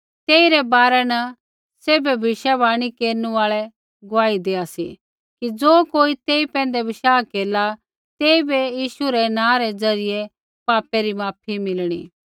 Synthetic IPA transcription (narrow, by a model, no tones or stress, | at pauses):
t̪eːiɾɛbaːɾɛnɐ | seːbɛbʱɪʃabaːɽ̃ikeːɾnũaːɭɛ | ɡʊʋaːid̪eːasi | kid͡zoːkoːit̪eːipɛ̃ːnd̪ɛbɪʃaːkeːla | t̪eːibejiːʃuɾɛnãːɾɛd͡zɐɾɪje | paːpɛɾimaːp̚ʰimɪlɽ̃ḭː